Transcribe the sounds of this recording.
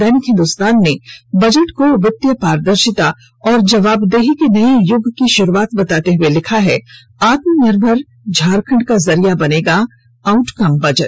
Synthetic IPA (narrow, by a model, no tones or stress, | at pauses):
ɛːnɪkɦɪ̃nd̪ʊst̪aːnːebɐd͡ʒəʈkoʋɪt̪ːjəpaːɾd̪əɾʃɪt̪a | ɔːɾd͡ʒɐʋaːbd̪eːɦikenɐijʊɡʱkiʃʊɾuaːt̪bɐt̪aːt̪eɦʊelɪkʰaɦɛ | aːt̪mənɪɾbʱəɾ | d͡ʒʱaːɾkʰə̃ɳɖkazɐɾijabɐneːɡa | aʊʈkɐmbɐd͡ʒəʈ